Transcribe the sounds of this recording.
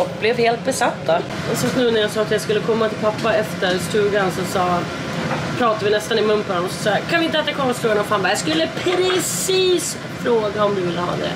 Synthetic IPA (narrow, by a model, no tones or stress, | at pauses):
ɔkːblɛvheːlt̪̚bɛsat̪ːa | ɔsat̪nʉ̟ːnæjaːɡsɑːt̪jaskɵlːəkʰɔmːat̪ʰɪlpʰapːaɛft̪əɾst̪ʉ̟ːɡansɔsɑː | pʰɾɑːt̪avɪnɛst̪anɪmɵnːpʰɔd̪ɔmɔsɔ̥sɑːɡkʰanvɪnt̪əɛt̪ːakʰɔmːaɔfɾoːɡanɔmfaːnvajaskɵlːəpʰɾɛs | iːs | fɾoːɡaɔmd̪ɪvɪlːəɦɑ̰ːd̪ɛ̰